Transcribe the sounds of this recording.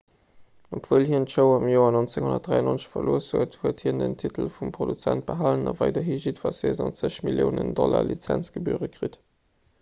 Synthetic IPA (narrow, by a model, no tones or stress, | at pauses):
opv̥uːlɦiəntʃəʊɐɑmjoːɐnont͡seŋhunɐt̚d̥ʁaɪɑnont͡sə̥ɕfɐloːəshuəthuəthiːndəntʰitəlfumpʁodut͡sænt̚b̥əɦalənɑvæɪdɐɦiʒitfɑzeːzɑnt͡səɕmiljoʊnəndɔlalit͡sænt͡sɡ̥əbuəʁəkʁit